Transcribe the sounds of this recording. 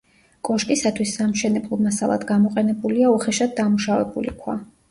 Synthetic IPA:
kʼɔʃkʼisat̪ʰwisːamʃɛnɛblˠɔmasalˠa̰d̪ɡamɔqʼɛnɛbuliaɔχɛʃad̪̚d̪amuʃavɛbṵlḭkʰwa̰

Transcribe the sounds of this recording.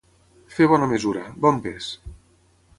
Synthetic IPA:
feβ̞ɔnamezuɾabɔmpes

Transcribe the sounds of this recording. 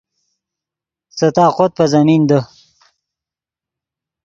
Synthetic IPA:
sət̪aːqot̪̚pɐzɐmind̪ə

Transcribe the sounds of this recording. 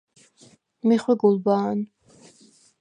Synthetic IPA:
miχwɛɡulbaːn

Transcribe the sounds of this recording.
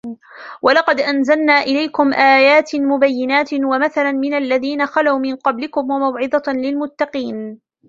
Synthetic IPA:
wʔalɑqɑd̪ʔanzalnaːʔɪlajkʊmʔaːjaːt̪mʊbajːɪnaːt̪wamaθalanmɪnalːaðiːnaxalawmɪnqɑblɪkʊmwamawʕɪd̪ˤɑlɪlmʊt̪ːɑqiːn

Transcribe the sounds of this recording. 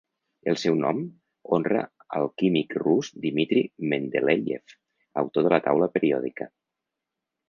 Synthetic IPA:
əlˠsɛwnɔm | onrə̰ | əlˠkimikruzd̪imit̪ɾimend̪eleʎḛf | ə̰wt̪oðələt̪awləpəɾiɔðikə

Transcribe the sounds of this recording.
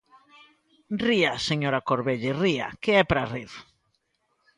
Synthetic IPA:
riaseɲoɾakoɾβeʎɪria̰keɛpɾariðo

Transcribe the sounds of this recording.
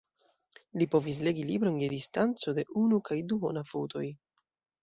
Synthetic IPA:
lipo̞vis̬le̞ɡilibɾo̞nje̞distant͡so̞de̞ʔunukajduɦo̞nafuwtʰo̞̰j

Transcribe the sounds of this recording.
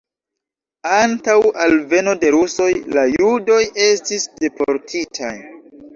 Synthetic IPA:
antawalve̞no̞de̞ɾuso̞jlajudo̞je̞stisde̞poɾtʰitʰaj

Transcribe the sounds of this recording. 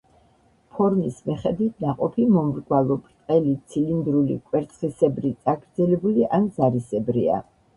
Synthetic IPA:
pʰɔɾmismɛχɛd̪wit̪ʰnaqʼɔpʰimɔmɾɡwalˠɔpʼt̪ʼqʼɛlit̪sʰilind̪ɾulḭkʼwɛɾt̪sʼχisɛbɾit̪sʼaɡɾd̪zɛlɛbuliʔanzaɾisɛbɾḭa̰

